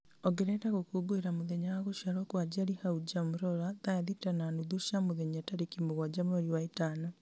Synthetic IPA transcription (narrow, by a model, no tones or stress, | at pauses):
ɔɡeɾɛdaɣokoɡoeɾamoðeɲaaɣoʃjaɾɔkwad͡ʒaɾihaud͡ʒamoɾɔɾaðaaðitananuðoʃamoðeɲataɾekimoɣwad͡ʒamɔɾiwaetana